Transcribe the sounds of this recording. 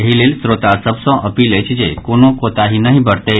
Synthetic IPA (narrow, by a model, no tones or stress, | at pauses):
ɦileːlsɾot̪asəbsɔ̃ʔəpilet͡ɕid͡ʑekoñokot̪aɦinaɦibəɽt̪e